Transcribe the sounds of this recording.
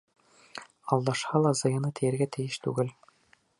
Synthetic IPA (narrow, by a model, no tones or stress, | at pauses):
ɑlˠd̪ɑʃhɑlˠɑzɑjɑnɤt̪ʰɘ̆jæ̆ɾɡæt̪ɘ̆jɘʃt̪ʉ̰ɡɘl